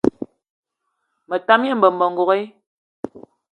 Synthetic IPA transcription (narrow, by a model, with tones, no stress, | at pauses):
mə˨ta˦mje˦˨m̩bə˨m̩˨bɔ˨ŋ̩˨ɡo˨ɣe˦